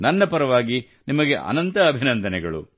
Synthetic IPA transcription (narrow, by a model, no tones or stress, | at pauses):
nɐnːɐpɐɾɐʋaːɡi | nimɐɡeʔɐ̰nɐnt̪ɐːbʱinɐnd̪ɐnɛɡɐɭṵ